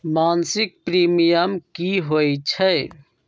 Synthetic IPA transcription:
maːnsik̚pɾimijəmkiɦojt͡ʃʰə

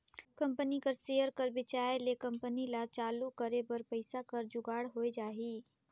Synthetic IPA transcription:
kɐ̃mpənikəɾseːəɾkəɾbɪt͡ʃaːelekɐ̃mpənilat͡ʃaːlukəɾebɐɾpəɪsakɐɾd͡ʒʊɡaːɽɦoːed͡ʒaːɦiː

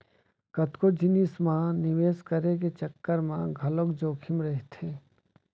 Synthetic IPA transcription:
kɐt̪kod͡ʒɪnismãnɪʋeːskəɾek̬et͡ʃɐkːəɾmãɡʱɐlokd͡ʒoːkʰɪmɾɛɦt̪ʰeː

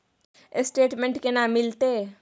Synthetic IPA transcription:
ɪsʈeːʈmɛ̃ɳʈkenamːɪlt̪e

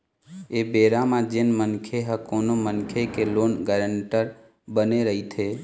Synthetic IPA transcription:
ebeɾamãd͡ʒenmənkʰeɦəkonomənkʰekeloːnɡəɾəɳʈəɾ | bəneɾəɦit̪ʰe

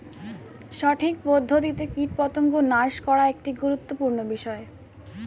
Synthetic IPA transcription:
ʃɔʈʰikpod̪ʱːot̪̬it̪ekiʈpɔt̪oŋɡonaʃkɔɾaek̚ʈiɡuɾut̪ːopuɾnobiʃɔe

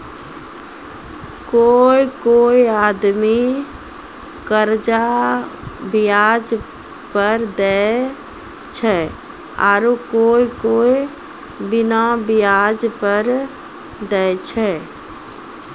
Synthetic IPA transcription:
koikoiad̪mi | kəɾd͡ʒa | bijad͡ʒ | pəɾd̪ɛ | t͡ʃʰɛ | a̰ɾukoikoi | binabijad͡ʒpəɾ | d̪ɛjt͡ʃʰɛ

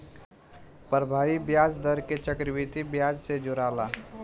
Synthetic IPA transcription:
pəɾbʱaːibjaːd͡ʒd̪əɾket͡ʃəkɾwiːt̪ibjaːd͡ʒsed͡ʒʊɾaːlaː

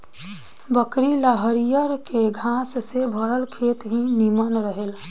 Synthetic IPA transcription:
bəkɾiləɦəɾijəɾkeɡʱãssebʱəɾəlkʰet̪ɦĩnimənɾəɦel

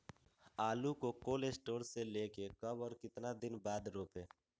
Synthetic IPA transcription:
aːlukokoːlesʈoːɾseleːkekəbɔːɾkɪt̪nad̪ɪnbaːd̪ɾoːpeː

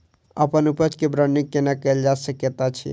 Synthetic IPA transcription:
ə̰pənupət͡ʃkebɾənikːenakəeld͡ʒasəkjət̪at͡ʃʰḭ

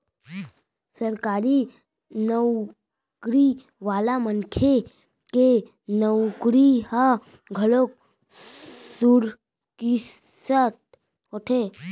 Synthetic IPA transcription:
səɾkaːɾi | nəw | kɾi | ʋaːlamənkʰe | ke | nəwkɾiha | ɡʱəlok̚ | suɾ | ki | sət̪̚ | oʈʰe

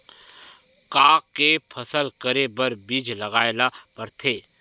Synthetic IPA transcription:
kaːkːepʰɐsəlkəɾebɐɾbiːd͡ʒlɐɡaːɪlapɐɾt̪ʰeː

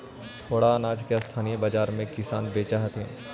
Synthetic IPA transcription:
t̪ʰoːɽanaːd͡ʒkjast̪ʰaːnijəbɐd͡ʒaːɾmẽkɪsaːnbeːt͡ʃaɦɐt̪ʰẽː

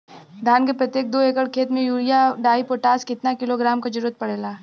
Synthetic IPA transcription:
d̪ʱaːnkepɾɐt̪jeːk̚d̪oːeːkəɽkʰeːt̪mẽjuːɾijaɖaːipoːʈaːskɪt̪nakɪloɡɾaːmkad͡ʒɐɾuːɾət̪̚pɐɽeːlaː

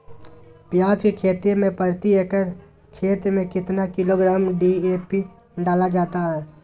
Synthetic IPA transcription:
pjaːd͡ʒkekʰeːt̪ɾemẽpəɾt̪ieːkəɾ | kʰeːt̪ɾəmẽkɪt̪nakɪloɡɾaːmɖieːpi | ɖaːlad͡ʒaːt̪aɦɛː

